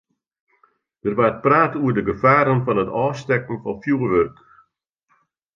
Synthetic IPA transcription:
d̥ərʋat̚praːtuərdəɡəfaːɾənfɔnətɔːstɛkn̩fɔnfjuːəʋørk

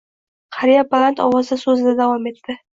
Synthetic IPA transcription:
qʰaɾijabalant̪ʰɒwɒzɪsɵzɪd̪ad̪avɒme̞t̪ːɪ

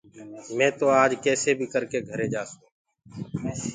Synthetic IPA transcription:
mɛ̃ːt̪oːaːd͡ʒkɛːseːbʱiːkəɾkeːɡʱəɾeːd͡ʒaːsũː

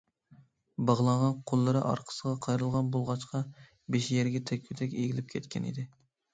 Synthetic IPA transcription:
bɑʁlˠɑɴʁɑnqʰolˠːɨɾɨʔɑ̰ɾqʰə̥səʁɑqʰɑjɾɨlˠʁɑnbolˠʁɑt͡ʃqʰɑ | beʃjɛɾɡʲɛt̪ʰɛkʲʰyt̪ʰɛkʲeɡʲilɪp̚kʲʰɛt̪kʲʰɛ̰nḭd̪ɪ

